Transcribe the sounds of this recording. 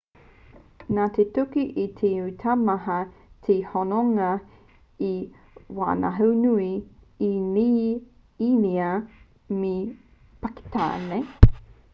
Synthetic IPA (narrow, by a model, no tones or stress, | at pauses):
naːt̪etukiʔit̪ʰeutʰamɐɦɐt̪ʰehonoŋɐ | i | wa̰ːna̰ɦɐwnui | ini | iniɐ | mi | paki̥t̪a̰ːne